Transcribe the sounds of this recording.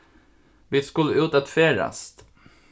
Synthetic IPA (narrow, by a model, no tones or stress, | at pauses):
ʋɪːskʉlːəʉːt̪at̪feːɾa̰st̪